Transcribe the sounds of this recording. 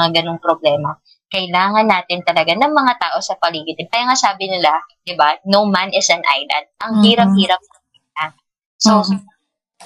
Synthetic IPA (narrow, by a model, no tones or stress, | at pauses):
ŋaɡɐnoŋpɾoblɛːmɐ | kɐjlaːŋɐnːaːt̪ɪnt̪ɐlɐɡanɐŋmɐŋat̪aːʔo̞sɐpɐliːɡɪt̪ɪnkajaŋasaːbɪnɪlad̪̥ɪbanowmanɪsɐnʔa̰jlɐ̰nd̪̚ʔɐŋhiːɾɐp̚hiːɾɐp̚nɐ | ɪna | so